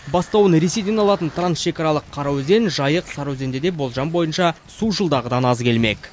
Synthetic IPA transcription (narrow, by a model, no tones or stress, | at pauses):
bɑst̪ɑwənɾe̞se̞jd̪eɑlˠɑt̪ənt̪ʰransʃe̞kɑɾɑlˠəqʰːɑɾɑwze̞nʒɑjəqsɑɾɑwze̞nd̪e̞d̪e̞bo̞lˠʒɑnbo̞jənʃɑ | suʒəlˠd̪ɑʁəd̪ɑnɑzkʲʰe̞lme̞̰k